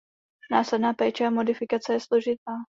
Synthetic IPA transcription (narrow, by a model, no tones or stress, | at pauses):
naːslɛdnaːpɛːt͡ʃɛamo̞dɪfɪkat͡sɛjɛslo̞ʒɪt̪aː